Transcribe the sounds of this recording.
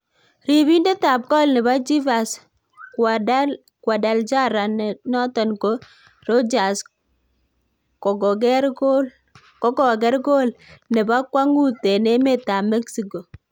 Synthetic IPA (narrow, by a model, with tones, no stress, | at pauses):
ɾi˨βi˦nde˦ta˨p̚kɔ˦lnɛ˨ba˦d͡ʒi˦va˨s | k | kwa˨da˨ld͡ʒa˦ɾa˨nnɔ˦tɔ˨nko˨˦ | ro˦d͡ʒa˨s | kɔ˨ɡɔ˨ɡɛ˦ɾɡo˦ | kɔ˦kɔ˦˨ɡɛ˦ɾɡo˦lnɛ˨ba˦kwa˦ŋu˦te˨ne˦me˦˨ta˨mɛ˦ksi˨ko˨